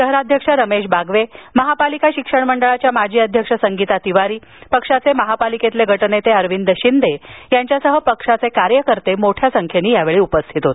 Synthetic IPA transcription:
t̪əɦɾad̪ʱjəkʂaɾəmeɕbaɡʋeməɦapalikaɕikʂəɳməɳɖəɭat͡ɕjamad͡ʑiːəd̪ʱjəkʂəsəŋɡit̪at̪iʋaɾiː | pəkʂat͡seməɦapaliket̪leɡʱəʈnet̪eəɾʋind̪əɕind̪ejaɲt͡ɕjasəɦəpəkʂat͡sekaɾjəkəɾt̪emoʈʰjasəŋkʰjeniːjaʋeɭiːupəst̪ʰit̪ɦot̪

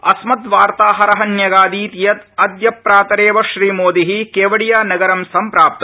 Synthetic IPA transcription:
ɐsmɐt̪ʋaːɾt̪aːɦɐɾɐɦɐnjɐɡaːd̪iːt̪ijɐt̪ɐd̪jɐpɾaːt̪ɐɾeːʋɐʃɾiːmoːd̪iɦikeːʋɐɽijaːnɐɡɐɾɐmsɐmpɾaːp̚t̪ɐ

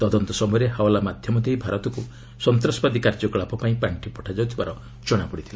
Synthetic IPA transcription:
t̪ɔd̪ɔnt̪ɔsɔmɔjɾeɦawlamad̪ʱjɔmɔd̪eibʱaɾɔt̪ɔku | sɔnt̪ɾɔsbad̪ikaɾd͡ʒɔkɔɭapɔpaĩpɾaɳʈʰipɔʈʰad͡ʒawt̪ʰibaɾɔ | d͡ʒɔɽ̃apɔɽit̪ʰila

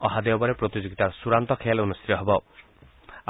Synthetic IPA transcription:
ɔɦad̪eɔbɔɾepɾot̪id͡ʒoɡit̪aɾɔsuɾant̪ɔkʰealunust̪ʰit̪ɔɦebɔ

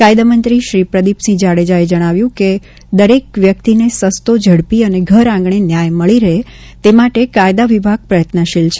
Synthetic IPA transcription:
kajd̪amənt̪ɾiʃɾipɾəd̪ipsid͡ʒaɽed͡ʒaed͡ʒəɽ̃aʋjũke | d̪əɾek̚ʋjək̚t̪inesəst̪od͡ʒʱəɽpiəneɡʱəɾãŋɡɳ̃enjajməɭiɾəɦe | t̪emaʈekajd̪aʋibʱaɡ̚pɾəjət̪nəʃilt͡ʃʰe

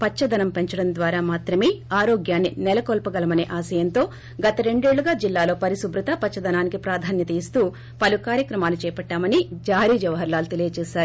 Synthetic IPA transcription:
pɐt͡ʃt͡ʃːɐd̪ʱɐnɐmpe̞ɲt͡ʃɐɽɐnd̪ʋaːɾaːmaːt̪ɾɐme̞ːaːɾoːɡjaːnːinɛlɐkɔːlpɐɡɐlɐmɐne̞̰ːʔaːsɐjɐnt̪o̞ː | ɡɐt̪ɐɾe̞ɳɖe̞ːɭːuɡaːd͡ʒilːaːlo̞ːpɐɾisubɾɐt̪ɐpɐt͡ʃt͡ʃːʃɐd̪ʱɐnaːnikipɾaːd̪ʱaːnjɐt̪ɐist̪uː | pɐlukaːɾjɐkɾɐmaːlut͡ʃɛːpɐʈːaːmɐnid͡ʒaːɾiːd͡ʒɐʋɐɦɐɾlaːlut̪elijɐt͡ʃɛːʃaːɾuu

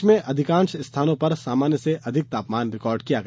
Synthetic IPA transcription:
mẽʔɐd̪ʱɪkãːnʃst̪ʰaːnõpɐɾsaːmaːnjəseʔɐd̪ʱɪk̚t̪aːpmaːnɾɪkɔːɾɖkijaɡɐ

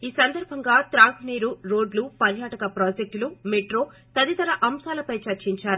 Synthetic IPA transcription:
iːsɐnd̪ɐɾbʱɐŋɡaːt̪ɾaːɡuniːɾuɾo̞ːɖlupɐɾjaːʈɐkɐpɾoːd͡ʒek̚ʈlumeʈɾoː | t̪ɐd̪it̪ɐɾɐʔɐmsaːlɐpɐjt͡ʃɐɾt͡ʃiɲt͡ʃaːɾu

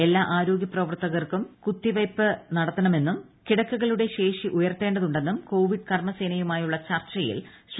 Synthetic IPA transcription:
e̞lːaːʔaːɾo̞ːɡjɐprɐʋɐrt̪ːɐɣɐrkumkut̪ːiʋɐjpːɨnɐɽɐt̪ːɐɳɐme̞nːum | kiɽɐkːuɣɐɭuɽe̞ɕe̞ːʂiʔujɐrt̪ːe̞ːɳɖɐðuɳɖe̞nːumko̞ːʋiɖɨkɐrmɐse̞ːnɐjumaːjuɭːɐt͡ɕɐrt͡ɕːɐjḭl | ɕ

